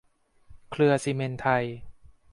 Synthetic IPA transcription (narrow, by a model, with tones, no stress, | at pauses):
kʰlɯ˧ɐsi˧˩me˧nt̪ʰa˧j